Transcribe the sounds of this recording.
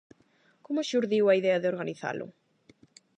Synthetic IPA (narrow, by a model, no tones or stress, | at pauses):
komʊʃuɾðiwɐiðɛɐðeoɾɣaniθa̰lʔʊ̰